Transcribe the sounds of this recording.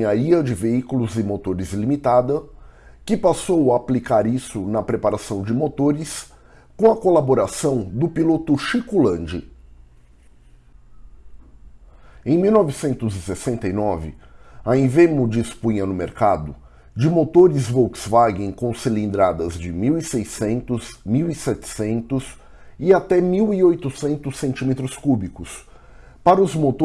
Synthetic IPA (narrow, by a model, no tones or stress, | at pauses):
aɾiɐd͡ʒɪveikulʊzɪmot̪oɾɪzlimit̪ad̪ɐkɪpasowaːplikaɾisʊnɐpɾepaɾasɐ̃w̃d͡ʒɪmot̪oɾɪs | kõw̃ɐkolaboɾasɐ̃w̃d̪ʊpilot̪ʊʃikulɐ̃nd͡ʒɪ | ẽj̃miwnɔvisẽnt̪ʊzɪsesẽnt̪ɐjnɔvɪ̰ɐĩvemʊd͡ʒispũɲɐnʊmeɾkad̪ʊ | d͡ʒɪmot̪oɾɪzvoksvaɡẽj̃kõw̃selĩnd̪ɾad̪ɐzd͡ʒɪmiwisejsẽnt̪ʊzmiwisɛt͡ʃɪ̥sẽnt̪ʊs | iat̪ɛmiwiojt̪ʊsẽnt̪ʊsẽnt͡ʃimet̪ɾʊskubikʊs | paɾɐʊzmot̪o